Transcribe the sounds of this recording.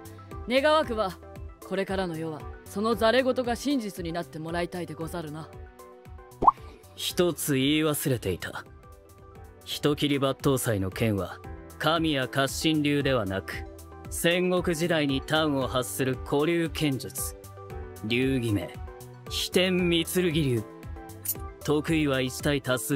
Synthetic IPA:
ne̞ɡaβakɯ̟βa | ko̞ɾe̞kaɾano̞jo̞βaso̞no̞zaɾe̞ɡo̞t̪o̞ɡaɕĩɲ̟d͡ʑit͡sɨɲ̟inat̪ːe̞mo̞ɾait̪aid̪e̞ɡo̞zaɾɯ̟na | çi̥t̪o̞t͡sɨiːβasɨɾe̞t̪e̞it̪ʰa̰ | çi̥t̪o̞kʲiɾʲibat̪ːo̞ːsaino̞kẽ̞ɰ̃βa̰kamʲijakaɕːĩnɾʲɨːd̪e̞βanakɯ̟̥ | sẽ̞ŋɡo̞kɯ̟ʑid̪aiɲ̟it̪aɯ̟̃o̞hasːɨɾɯ̟kʰo̞ɾʲɨːkʰẽ̞ɲ̟d͡ʑɨt͡sɨ̥ | ɾʲɨːɡʲime̞̰ | çi̥t̪ẽ̞mmʲit͡sɨɾɯ̟ɡʲiɾʲɨː | t̪o̞kɯ̟iβait͡ɕi̥t̪ait̪asɨ

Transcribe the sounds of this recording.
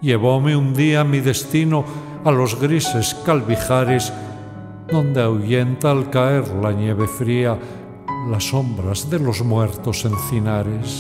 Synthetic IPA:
ʎe̞β̞o̞meund̪iamiðe̞st̪ino | alo̞zɣɾise̞skalβixaɾez | ðõ̞nd̪eawʝe̞nt̪aːlkae̞ɾlanje̞β̞e̞fɾia | laso̞mbɾazðe̞lo̞zmwe̞ɾt̪o̞se̞nθinaɾe̞s

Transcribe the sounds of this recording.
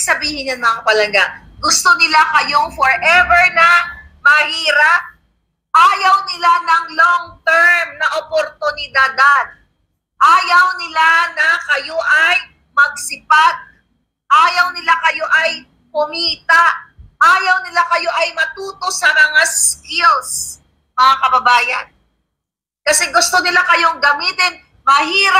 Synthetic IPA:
sɐbiːhɪnɐnmɐŋapɐlɐɡaʔ | ɡʊst̪onɪlakɐjo̞fɔɹʔɛvɛɹnɐmɐhiːɾap̚ | ʔaːjɐwnɪlanɐŋloŋt̪ɛɹmnɐʔopoɾt̪ʊnɪd̪ad̪ad̪̚ | ʔaːjɐwnɪlanɐkɐjoʔɐj | mɐɡ̚sɪpat̪̚ | ʔaːjɐwnɪlakɐjo̞ʔɐj | pʊmiːt̪aʔʔaːjɐwnɪlakɐjo̞ʔɐjmɐt̪uːt̪o̞sɐmɐŋaskɪls | mɐŋakɐbɐbaːjɐ̰n | kɐsɛɡʊst̪o̞nɪlakɐjo̞ŋɡɐmiːt̪ɪn | mɐɦiːɾa

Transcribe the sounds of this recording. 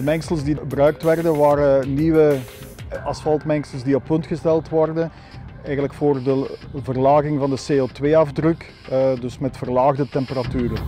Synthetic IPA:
dəmɛŋsəlˠsdiəbrœɥk̚tʋɛrdənʋaːɾəniʋə | ɑsfɑlˠtmɛŋsəlˠsdiɔpːɵntxəstɛlˠtʋɔrdən | ɛjɣənləkfoːrdəvərlaːɣɪŋvɑndəseotʋeːɑvdrɵkː | dɵsmɛtfərlaːɣdətɛmpəɾatyːɾə

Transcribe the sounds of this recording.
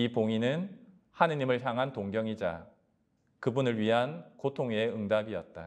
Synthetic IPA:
ipoŋinɯn | hanɯɲimɯɭçjaŋɦantoŋɡjʌŋid͡ʑa̰ | kɯbunɯɭɥiɦankotʰoŋeɯŋdabiʌt̚t͈a

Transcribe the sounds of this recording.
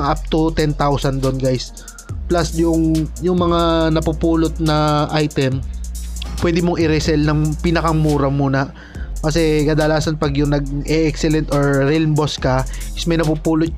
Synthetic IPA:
ŋʔap̚t̪ʊt̪ɛnt̪awsɐnd̪onɡajs | plɐsjʊŋjʊŋmɐŋanɐpupuːlot̪̚nɐʔajt̪ɛm | pwɛːd̪ɪmoŋʔɪɾɛsɛlnɐŋpiːnɐkɐŋmuːɾɐmuːnɐ | kɐs̬ɛkɐd̪ɐlaːsɐnpɐɡjʊŋnɐɡ̚ʔɛʔɛksɛlɛnt̪oɹɾɛlmboskɐ | ʔɪsmɐjnɐpupuːlʊt̪̚

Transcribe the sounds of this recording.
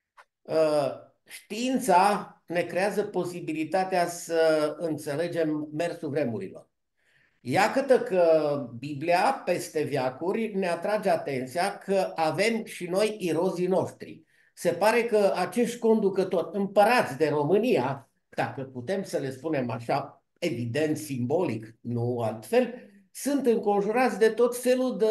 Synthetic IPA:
ə | ʃt̪iint̪sane̞kɾe̞azəpo̞sibilit̪at̪easəɨnt̪se̞le̞d͡ʒe̞mːe̞rsuvɾe̞muɾḭlo̞̰r | jakət̪əkəbibliape̞st̪e̞vjakurʲne̞at̪ɾad͡ʒeat̪e̞nt̪sijakʰəʔave̞mʃino̞jiɾo̞zino̞ʃt̪ɾḭ | se̞paɾe̞kəat͡ʃe̞ʃt̪ʲko̞nd̪ukət̪o̞rʲɨmpəɾat̪sʲd̪e̞ɾo̞mɨnija | d̪̥akəput̪e̞msəle̞spune̞maʃa | e̞vid̪e̞nt̪simbo̞liknualt̪fe̞l | sunt̪ɨŋko̞nʒuɾat̪sʲd̪e̞t̪o̞t̪fe̞lud̪ə

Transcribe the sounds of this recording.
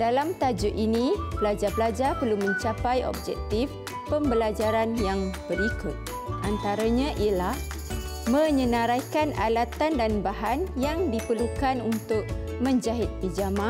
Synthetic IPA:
dalamt̪ad͡ʒʊʔinĩpəlad͡ʒapəlad͡ʒapərlumə̃ɲt͡ʃapajɔ̰b̚d͡ʒɛ̰k̚t̪if | pəmbəlad͡ʒaɾanjaŋb̥əɾikʊt̪̚ | ʔant̪aɾaɲãʔiəlah | mə̃ɲə̃nãɾajkanʔa̰lat̪andanbaɦanjaŋdipərlukanunt̪ʊk̚ | mə̃ɲd͡ʒaɦɪt̪̚pid͡ʒamã

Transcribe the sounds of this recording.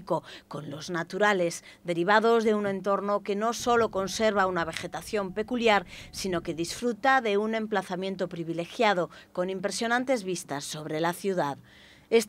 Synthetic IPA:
ko̞ko̞nlo̞znat̪uɾale̞z | d̪e̞ɾiβ̞aðo̞zðe̞unẽ̞nt̪o̞ɾno̞ke̞no̞so̞lo̞ko̞nse̞ɾβ̞aunaβ̞e̞xe̞t̪aθjo̞mpe̞kuljaɾsino̞ke̞ðisfɾut̪aðe̞unẽ̞mplaθamje̞nt̪o̞pɾiβile̞xjað̞o̞ko̞nimpɾe̞sjo̞nãnt̪e̞zβist̪asːo̞β̞ɾe̞laθjuðað | es

